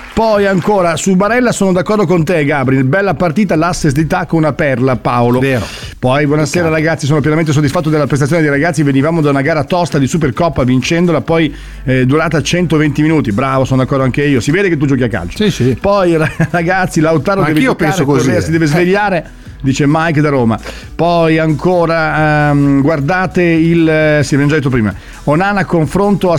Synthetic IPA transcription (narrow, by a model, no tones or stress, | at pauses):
pɔjaŋkoːɾasubaɾɛlːasoːnod̪akːɔrd̪okont̪eɡabɾinbɛlːapart̪iːt̪alasːesd̪it̪akːonunapɛrlapaoloeːɾo | pɔjbwɔnaseːɾaɾaɡat̪sːisoːnop̬jɛnament̪̬es̬od̪isfat̪ːod̪elːapɾes̬tat̪ːjoned̪ejɾaɡat̪sːivenivaːmod̪aunaɡaːɾat̪ɔst̪ad̪isup̬ːerkɔpːavint͡ʃɛnd̪olapɔj | d̪uɾaːt̪at͡ʃɛnt̪ovent̪iminuːt̪ibɾaːvosoːnod̪akːɔɾd̪oaŋkeiːosiveːd̪eket̪ːud͡ʒɔːk̬iakːa̰lt͡ʃo̥isipɔjraraɡat̪sːilawt̪aːɾod̪ɛveopːɛnɾsokozasid̪ɛːvezveʎːaːɾe | d̪iːt͡ʃemajkd̪aɾoːma̰ | pɔjaŋkʰoːɾa | ɡward̪aːt̪eilsivend͡ʒadet̪ːop̬ɾiːma̰ | onanakːoɱfɾont̪oa